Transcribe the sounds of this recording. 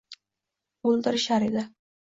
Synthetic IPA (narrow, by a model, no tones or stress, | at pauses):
olˠd̪ɪɾɪʃaɾed̪ɪ